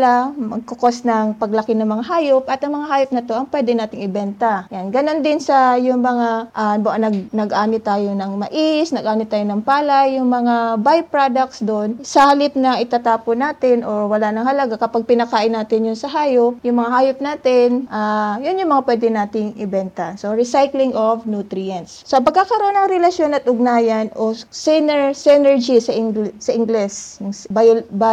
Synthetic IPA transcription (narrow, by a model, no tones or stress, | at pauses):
lamɐɡ̚kokosnɐŋpɐɡlɐkɪnɐŋmɐŋaɦaːjopʔɐt̪ɐŋmɐŋaɦaːjʊp̚nɐt̪o̞ʔɐŋpwɛd̪ɛnaːt̪ɪŋɪbɛnt̪ajanɡɐno̞nd̪ɪnsɐjʊŋmɐŋaʔaboʔnɐɡnɐɡʔaːnɪt̪aːjonɐŋmɐʔisnɐɡʔaːnɪt̪aːjonɐŋpaːlajːʊŋmɐŋabajpɹad̪ɐk̚t̪sd̪oʔnsɐahɐlɪp̚nɐʔɪt̪aːt̪aːponaːt̪ɪnʔowɐlanɐŋhɐlɐɡakɐpaɡ̚pɪnɐkaːʔɪnːaːt̪ɪnjʊnsɐɦaːjop̚jʊŋmɐŋahaːjop̚naːt̪ɪnʔaːjʊnjʊŋmɐŋapwɛd̪ɛnaːt̪ɪŋʔɪbɛnt̪ɐsoɹɪsajklɪŋʔovnuːt̪ɾɪɐnt̪ssɐpɐɡkakɐɾoʔonɐŋɾɛlɐʃjo̞nɐt̪̚ʔʊɡ̚naːjɐnʔosinɛsɛnɛɹd͡ʒisɐʔsɐʔɪŋɡlɛsjʊŋbajba